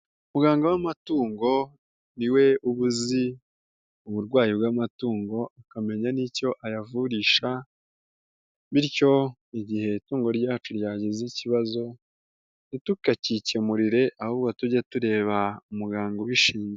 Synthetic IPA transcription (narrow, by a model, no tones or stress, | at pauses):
umuɡaːŋɡowamatuːŋɡo̞ | niwe̞uβuzi | uβuɾɡwaːjibɡamatuːŋɡo̞akame̞ɲanico̞ʔajavuɾiːʃa | βiɾco̞ | iɟihe̞ituːŋɡo̞ɾɟaːt͡ʃuɾjaːɟiziciβazo̞ | nitukacicemuɾiɾe̞ʔahuβɡwotuɟatuɾe̞ːβaumuɡaːŋɡo̞wiʃiːɲze